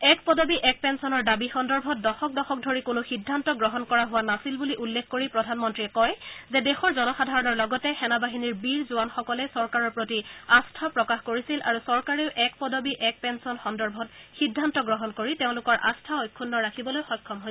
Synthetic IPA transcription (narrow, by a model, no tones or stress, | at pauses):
ɛkpɔdobiʔɛk̚pɛnsɔnɔɹdabixɔndɔɹbʱɔt̚dɔxɔk̚dɔxɔk̚dʱoɹikʊnʊxidʱːantɔɡɹɔɦɔnkɔɹaɦʊwanasilbuliʔulːekʰːkoɹipɹɔdʱanmɔntɹiɛkɔjzɛdexɔɹzɔnɔxadʱaɹɔnɔɹlɔɡɔtɛxɛnabaɦiniɹbiɹzʊanxɔkɔlɛsɔɹkaɹɔɹpɹotiastʰapɹɔkaxkoɹisilʔa̰ɹusɔɹkaɹeʊʔɛkpɔdɔbiʔɛk̚pɛnsɔnxɔndɔɹbʱɔtxidʱːantɔɡɹɔɦɔnkoɹiteʊ̃lʊkɔɹʔa̰stʰaojkʰːunːɔɹakʰibɔlojxɔjkʰːɔmɦojsɛ